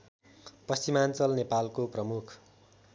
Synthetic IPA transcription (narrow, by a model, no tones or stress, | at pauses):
pʌst͡ɕimant͡sʌlnepalkoprʌmukʰ